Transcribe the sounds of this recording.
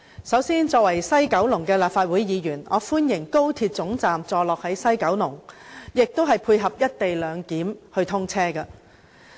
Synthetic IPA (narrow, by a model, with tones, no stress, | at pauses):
sɐ˨˥wsiː˥nt͡sɔː˧kwɐ˨˩jsɐ˥jkɐ˨˥wlʊ˨˩ŋkɛː˧laː˨p̚faː˧t̚wuː˨˥jjiː˨˧jyː˨˩nɔː˨˧fuː˥njɪ˨˩ŋko˥wt̪ʰiː˧t̚t͡sʊ˨˥ŋt͡saː˨mt͡sɔː˧lɔː˨k̚hɐ˨˥jsɐ˥jkɐ˨˥wlʊ˨˩ŋjɪ˨k̚t̪o˥wɦɐ˨jpʰuː˧jɦɐ˨p̚jɐ˥t̚t̪e˨jlœː˨˧ŋkiː˨˥mhɵ˧ɥt̪ʰʊ˥ŋt͡sʰɛː˥kɐ˧